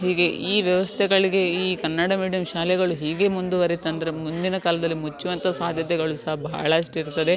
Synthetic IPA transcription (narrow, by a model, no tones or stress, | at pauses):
ɦiːɡe̞iːʋjɐʋɐst̪ʰɛɡɐɭiɡe̞iːkɐnːɐɽɐmiːɽijɐmʃaːlɛɡɐɭuɦiːɡe̞mund̪uʋɐɾit̪ːɐnd̪ɐɾemund̪inɐkaːlɐd̪ɐlːimut͡ʃːuʋɐnt̪ɐsaːd̪ʱjɐt̪ɛɡɐɭusɐɦɐbʱɐ̰ːɭɐʂʈiɾt̪ːɐd̪e̞